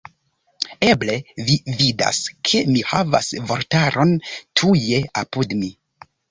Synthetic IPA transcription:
e̞ble̞vivida̰skʰe̞mihava̰svo̞ɾtaɾo̞ntʰuje̞apudmi

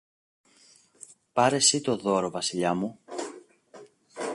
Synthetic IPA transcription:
pɐɾe̞sit̪o̞ðo̞ɾo̞vɐsiʎɐmu

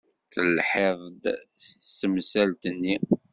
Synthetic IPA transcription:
θəlħeðˤd̪səmsælt̪ənːi

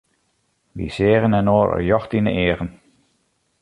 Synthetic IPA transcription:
ʋḭsɪːrənɛnoːɾə̰jɔxtinə̰ʔeːərən

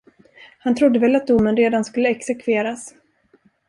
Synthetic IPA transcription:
hant̪ʰɾʊd̪ːəvɛlːat̪̚d̪ʊmːənɾeːd̪anskɵlːəɛksɛkʰveːɾas

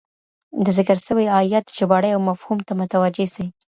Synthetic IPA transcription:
d̪əzɪkəɾʃəwijɑjat̪t͡ʃɪbɑɽəjawmafhumt̪amʊt̪awad͡ʒesi

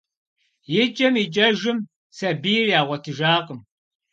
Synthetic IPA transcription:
jɪt͡ʃʼɐmit͡ʃʼɐʒɪm | sɐbiːrjaːʁʷɔtʰɨʒaːqʼəm

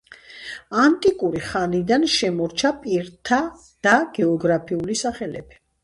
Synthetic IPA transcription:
ant̪ʼikʼuɾiχanid̪anʃɛmɔɾt͡ʃʰapʼiɾt̪ʰa | d̪̥aɡ̥ɛɔɡɾapʰiulisaχɛlɛ̰bi̥

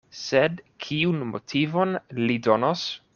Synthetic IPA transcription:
sedkʰiunmo̰tʰivonlidonos

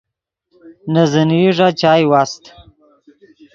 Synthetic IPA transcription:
nəzəniʐat͡ʃɑːjwast̪

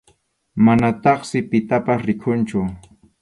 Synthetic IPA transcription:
manat̪ɑχsɪpɪt̪apasɾɪkʰʊnt͡ʃʊ

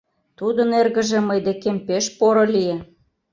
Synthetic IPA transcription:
t̪ud̪ənerɣə̆ʒĕməjd̪ekempeʃpoɾŏlije

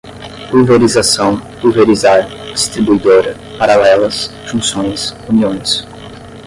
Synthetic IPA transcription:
pulveɾizasɐ̃w̃pulveɾizaɾ | d͡ʒist̪ɾibuid̪oɾɐ | paɾalɛlɐs | fũsõj̃suniõj̃s

